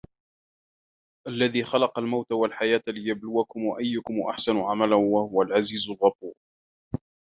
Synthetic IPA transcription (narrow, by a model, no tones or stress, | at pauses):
ʔalːaðiːxɑlɑqɑlmawt̪awalħajaːt̪lɪjablʊwakʊmwaʔajːʊkʊmʔa̰ħsanʊʕamalawahʊwalʕaziːzʊlɣɑfuːɾ